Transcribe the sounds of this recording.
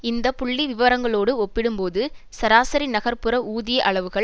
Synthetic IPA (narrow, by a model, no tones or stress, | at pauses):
ɪnd̪ɐpʊɭːiʋɪʋɐɾɐŋɡɐɭoːɽɯɔpːɪɽɯmpoːðɯ | sɐɾaːsɐɾinɐɣɐɾpɯɾɐuːðɪjɐʔɐɭɐʋɯɣɐɭ